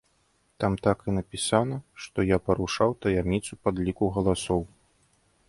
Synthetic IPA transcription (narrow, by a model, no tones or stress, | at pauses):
t̪amt̪akinɐpʲisanɐʂt̪ɔjapɐɾuʂawt̪ɐjamʲit̪supad̪lʲikuɣɐlˠasɔw